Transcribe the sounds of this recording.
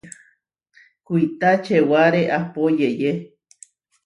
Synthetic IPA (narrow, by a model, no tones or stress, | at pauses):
kuit̪at͡ʃewaɾeʔapojeje